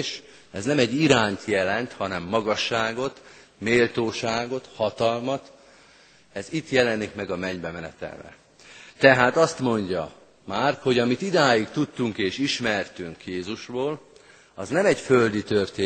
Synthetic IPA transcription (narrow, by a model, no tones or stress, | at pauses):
ʃ | ɛznɛmɛɟːiɾaːnt̪jɛlɛnt̪hɒnɛmːɒɡɒʃːaːɡo̞t̪ | meːlt̪oːʃaːɡo̞t̪hɒt̪ɒlmɒt̪ | ɛzit̪jɛlɛnːikmɛɡɒmɛɲbɛmɛnɛt̪ɛ̰lvɛ̰ | t̪ɛɦaːt̪ɒst̪mo̞ɲɟɒ̰ | maːrho̞ɟɒmit̪id̪aːjikt̪ut̪ːuŋkeːʃiʃmɛrt̪yŋkjeːzuʃboːl | ɒznɛmɛcføld̪it̪ørt̪eː